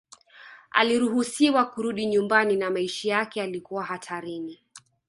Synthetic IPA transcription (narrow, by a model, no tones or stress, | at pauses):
a̰liɾuɦusiwakuɾuɗiɲumbaninamaiʃijakɛalikuwaɦatʰaɾini